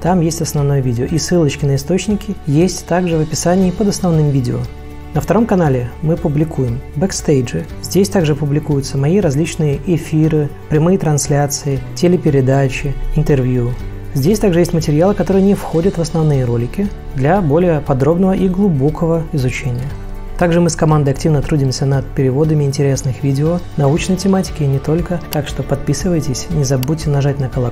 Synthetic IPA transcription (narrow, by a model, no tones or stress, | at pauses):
t̪amjesʲtʲɐsnɐvno̞jəvʲidʲɪoʔisɨlˠət͡ɕkʲɪnəɪst̪o̞t͡ɕnʲɪkʲɪjesʲtʲt̪aɡʐɨvəpʲɪsanʲɪːpəd̪ɐsnɐvnɨmvʲidʲɪo | nəft̪ɐɾo̞mkɐnalʲɪmɨpʊblʲɪkʰujɪmbɛkst̪ejʐɨ | zʲdʲesʲt̪aɡʐɨpʊblʲɪkujʊt̪səmɐiɾɐzʲlʲit͡ɕnɨjəʔɪfʲiɾɨpɾʲɪmɨjət̪ɾɐnslʲat̪sɨɪtʲɪlʲɪpʲɪɾʲɪd̪at͡ɕɪɪnt̪ɨrvʲju | zʲdʲesʲt̪aɡʐɨjesʲtʲmətʲɪɾʲɪjalˠɨkɐt̪o̞ɾɨjənʲɪfxo̞dʲət̪vəsnɐvnɨjəɾo̞lʲɪkʲɪ | d̪lʲɐbo̞lʲɪjəpɐd̪ɾo̞bnəvəʔiɡlˠʊbo̞kʰəvəɪzʊt͡ɕenʲɪjə | t̪aɡʐɨmɨskɐmand̪əjɐktʲivnət̪ɾudʲɪmʲsʲənət̪̚pʲɪɾʲɪvo̞d̪əmʲɪɪnʲtʲɪɾʲe̞snɨxvʲidʲɪonɐut͡ɕnəjtʲɪmatʲɪ̥kʲɪnʲɪt̪o̞lʲkət̪akʂt̪o̞pɐt̪̚pʲisɨvəjtʲɪsʲnʲɪzɐbotʲːɪnɐʐat̚ʲnəkəlˠɐ